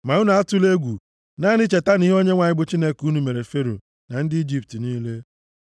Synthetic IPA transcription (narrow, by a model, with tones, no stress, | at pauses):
ma˨ʊ˦na˨a˦tu˦le˦ɡʷu˨ | na˦ni˦t͡ʃe˨ta˦ni˦ɦo˦ɲe˦ŋʷa˨ɲɪ˦bʊ˦t͡ʃi˦ne˦ku˦nu˨me˨ɾe˨fe˦ɾo̰˨ | na˨n̩˦dɪ˦i˦d͡ʒi˦p̚ti˨niː˦le˦